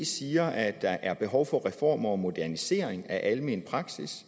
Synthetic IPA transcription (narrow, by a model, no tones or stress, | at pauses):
siːɐæ̥ɑʔæɐb̥e̝ɦɒʊfɒ̽ʁɛfɒ̰ːmɐɒmo̝d̥æɐnise̝̰ːɐ̰eŋæʔælme̝̰ːnpʰʁɑ̈ɡ̥sis